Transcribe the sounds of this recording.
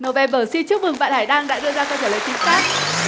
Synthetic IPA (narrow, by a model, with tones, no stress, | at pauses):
nə˨˩wvɛ˨˧˩ɓəː˧˩si˧nt͡ɕɨ˦˥k̚mɨ˨˩ŋɓa̰ː˧˨nhaː˧˩jɗaː˧ŋɗa̰ː˧˥ɗɨ˧əzaː˧kɔ˧t͡ɕəː˧˩ləː˧˨jt̪ï˨˩˦ŋsfaː˦˥t̚